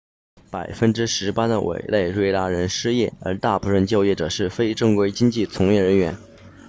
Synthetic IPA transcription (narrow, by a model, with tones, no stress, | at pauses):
pa˨˩ɪfə˥nʈ͡ʂɻ̩˥ʂɻ̩˧˥pa˥d̪ə˨wʔḛ˨˩ɪle˥˩ɪɻwe˥ɪla˥ɻə˧˥nʂɻ̩˥jɛ˥˩ə̰˞˧˥t̪a˥˩pʰu˧˥ɻə˥˧nt͡ɕjo˥˧ʊjɛ˥˩ʈ͡ʂɤ̰˨˩ʂɻ̩˥˩fe˥ɪʈ͡ʂɤ˥˧ŋkwe˥ɪt͡ɕi˥ŋt͡ɕi˥˩t͡sʰʊ˧˥ŋjɛ˥˩ɻə˧˥nɥɛ˧˥n